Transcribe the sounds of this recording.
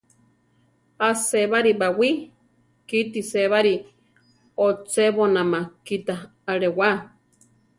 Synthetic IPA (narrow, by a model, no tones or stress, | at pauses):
aseβaɾibawi | kit̪iseβaɾi | ot͡seβonãmakit̪aː | ɾewa